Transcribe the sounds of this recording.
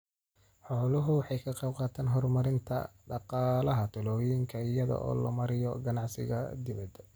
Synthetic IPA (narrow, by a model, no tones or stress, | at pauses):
ħɔːlʊɦʊwɑħɑjkʰɐqejb̚qɑːt̪ʰaːnɦɔrmɐɾɪnt̪ʰɐ̰ɖɑqɑːlɐɦɐt̪ʰʊlɔːjɪŋkʰɐɪjɐðɐ̰ʔɔ̰ːlɐ̰mɐɾɪjɔɡɐnɑʕsɪ̰ɣɐ̰d̪ɪβɐd̪